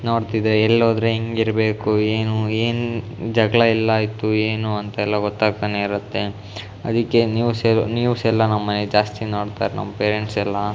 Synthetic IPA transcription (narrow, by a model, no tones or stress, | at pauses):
noːɽt̪id̪ɾeːlːoːd̪ɾeɦeŋɡiɾɐbeːkueːnueːnu | d͡ʒɐɡɭɐilːɐaːjit̪ːueːnuɐnt̪ɐɛlːɐɡɔt̪ːaːɡ̚t̪aːneiɾut̪ːe̞ | ɐd̪ikːe̞njuːsɛlnjuːsɛlːɐnɐmːɐned͡ʒaːst̪ino̞ːɽt̪a̰ːɾenɐ̰mːɐpeːɾeɳʈsɛlːɐ